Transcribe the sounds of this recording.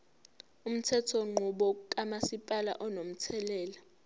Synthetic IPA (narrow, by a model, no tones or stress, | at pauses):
um̩tʰɛtʰɔŋ͡ǃʱuɓɔkʼamasipʼala̰ʔɔnom̩tʰɛlɛːla